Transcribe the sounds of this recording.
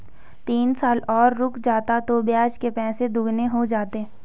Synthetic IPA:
t̪iːnsaːlɔːɾːʊkd͡ʒaːt̪at̪objaːd͡ʒkepɛ̃ːsed̪ʊɡneɦod͡ʒaːt̪e

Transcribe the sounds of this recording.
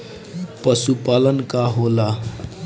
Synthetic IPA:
pʌsupalənkaɦola

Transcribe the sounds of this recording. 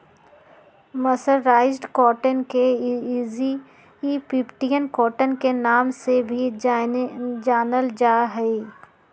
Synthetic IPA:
məsəɾːaːɪzɖkɔːʈənkeːzi | ipɪpʈijənkɔːʈənkenaːmsebʱi | d͡ʒaːnəld͡ʒaːɦɛe

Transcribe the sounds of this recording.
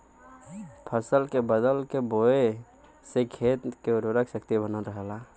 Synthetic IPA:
pʰəsəlkebəd̪əlkeboe | sekʰeːt̪keʊɾɾəkʰʃəkt̪ibənənɾəɦla

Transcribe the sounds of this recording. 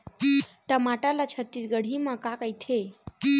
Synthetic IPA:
ʈəmaʈalat͡ʃʰət̪ːit̪ɡəɽ̤ʱimãkakəjt̪ʰe

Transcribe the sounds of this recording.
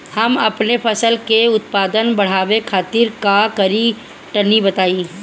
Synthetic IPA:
hɐmɐpnepʰɐsəlkeʊt̪̚paːd̪ənbɐɽ̤aːʋekʰaːt̪iɾkakɐɾi | ʈɐnibɐt̪aːiː

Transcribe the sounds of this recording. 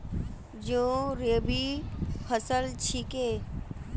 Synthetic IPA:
d͡ʒõːɾebipʰəsəlt͡ʃʰikeː

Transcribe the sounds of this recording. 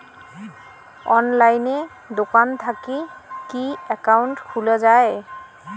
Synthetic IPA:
ɔnlajne | d̪okant̪ʰakikiɛkawntkʰulazaj

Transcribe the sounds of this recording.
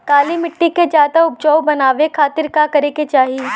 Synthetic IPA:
k̪aːlimɪʈːiked͡ʒjaːd̪aʊp̚d͡ʒɔːwbɐnaːʋekʰaːt̪ɪɾkakɐɾeːket͡ʃaːɦi

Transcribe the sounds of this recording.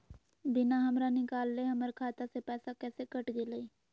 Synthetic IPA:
bɪnaɦɐmɾanɪkaːlːeɦɐməɾkʰaːt̪asepɛːsakɛːsekɐʈɡeləi

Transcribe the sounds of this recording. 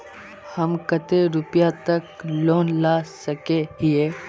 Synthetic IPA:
hɐmkɐt̪eɾʊpjat̪ɐkloːnlaːsɐkeɦieː

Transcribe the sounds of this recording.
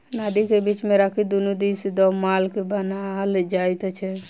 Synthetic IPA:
nad̪ikebit͡ʃmeɾakʰid̪unud̪isd̪ɔmalkebənald͡ʒajt̪t͡ʃʰɛ

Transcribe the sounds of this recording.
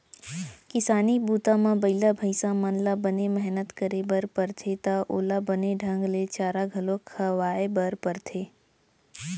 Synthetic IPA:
kɪsaːnibuːt̪ãmãbɐɪlabʱəɪsãmənlabənemɛɦnət̪kəɾebəɾpəɾt̪ʰet̪aʔoːlabəneɖʱə̃ŋɡlet͡ʃaːɾaɡʱəlokʰəʋaːebəɾpəɾt̪ʰeː

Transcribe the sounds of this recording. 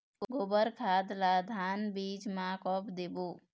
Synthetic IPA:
ɡobəɾkʰaːd̪lad̪ʱaːnbiːt͡ʃmãkɔpd̪ebuː

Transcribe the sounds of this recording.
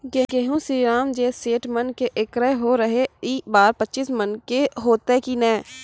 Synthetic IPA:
ɡeɡeːɦũsiːɾaːmd͡ʒeːseːʈmənkeʔɪkɾəɦɦoɾəɦeiːbaːɾpətːʃismənkeɦoːt̪ekinɛ̃ː

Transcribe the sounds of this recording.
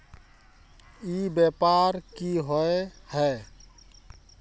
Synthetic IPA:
ibjɛpaɾkiɦɔehɛ

